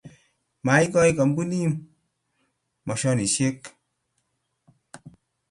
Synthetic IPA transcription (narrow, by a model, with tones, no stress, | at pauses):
ma˨˦i˦kɔ˦i˦kɔ˨mku˦ni˦m | mɔ˨ʃɔ˦ni˨ʃe˦k